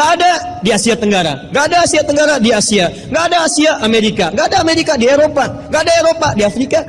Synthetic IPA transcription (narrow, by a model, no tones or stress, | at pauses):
aːda | diasiat̪əŋɡaɾa̰ŋɡaːdaːsiat̪əŋɡaɾadiasia | ŋɡaːdaːsiaʔameɾikaŋɡaːdaːmeɾikadieɾopaŋɡaːdaeɾopadiafɾika